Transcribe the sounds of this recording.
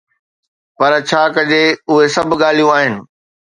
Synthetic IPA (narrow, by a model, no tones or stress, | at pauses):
pɐɾt͡ɕʰaːkɐd͡ʑeʊɦesɐbʱɠaːl̤ijũaːɦɪnɪ̆